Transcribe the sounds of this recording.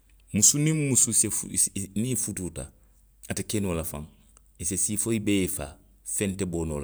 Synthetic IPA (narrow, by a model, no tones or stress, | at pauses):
musunĩmmususefnifutuːta̰ | atekenoːlafã̰ŋ | isesiːfoibeefa̰ː | fɛ̃ntɛboːnoːla